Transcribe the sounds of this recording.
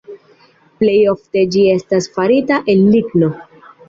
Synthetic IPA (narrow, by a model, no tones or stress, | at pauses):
ple̞jo̞fte̞d͡ʒie̞stasfaɾitaʔe̞lːiɡno̞